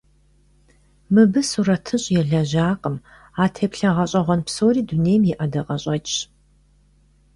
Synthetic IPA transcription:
mɨbɨsuɾɐtʰɨɕʼjɛɮɐʑaːqʼəm | aːtʰeːpɬɐʁɐɕʼɐʁʷɔnpsoːɾiːduneːjmjɛʔɐdɐqʼɐɕʼɐt͡ʃʼ

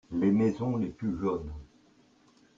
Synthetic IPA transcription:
lemɛzɔ̃leplyʒɔn

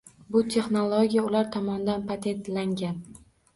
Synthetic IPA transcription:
bʊt̪ʰe̞χnolˠoɡʲijaʊlaɾt̪ʰɒmɒnd̪anpʰat̪ʰe̞nt̪laŋɡʲan

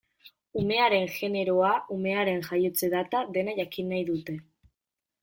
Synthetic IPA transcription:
ume̞aɾe̞nxe̞ne̞ɾo̞aume̞aɾe̞nʝajot͡seðat̪aðe̞naʝakinajðut̪e̞

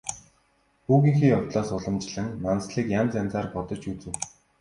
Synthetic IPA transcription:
xuːɣĭŋxiːʊt̪ɮaːsʊɮə̆mt͡ɕɮɘ̆ŋːansɮiːkjant͡sænʲt͡saːrpɔt̪ɞ̆t͡ɕut͡sɘ̆w

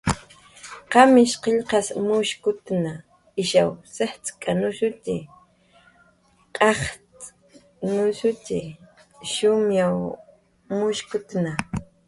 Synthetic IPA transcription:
qɑmɪʃqeʎqɑsmʊʃkʊt̪na | ɪʃawseht͡skʼanʊʃʊt̪ɪ | qʼɑχt͡s | nʊsʊtɪ | ʃʊmjaw | mʊʃkʊt̪na

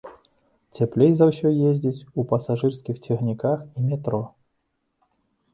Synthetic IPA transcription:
t͡sʲɛplʲejzɐwsʲɔjezʲd͡zʲit͡sʲupɐsaʐɨrskʲixt͡sʲɛɣnʲikaximʲɛt̪ɾɔ

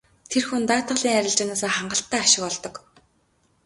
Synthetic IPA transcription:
t̪ʰerxunt̪aːt̪ə̆ɮiːŋæɾʲɪ̆ɮt͡ɕanaːsaːχaɴɢə̆ɬt̪ːæːaʃɪ̆kɔɮt̪ɞ̆k

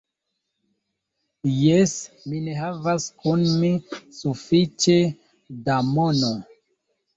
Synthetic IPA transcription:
jes | mine̞ɦavaskunmisufit͡ʃe̞ | damono

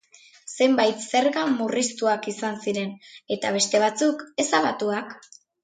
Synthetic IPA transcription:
se̞mbajt̪se̞ɾɣamurist̪uakisansiɾe̞ne̞t̪aβ̞e̞st̪e̞β̞at͡suke̞saβat̪uak

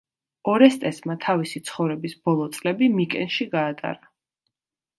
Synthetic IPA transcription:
ɔɾɛst̪ʼɛsmat̪ʰavisit̪sʰχɔvɾɛbisb̥ɔlˠɔt̪sʼlɛbimikʼɛnʃiɡaːt̪ʼa̰ɾa

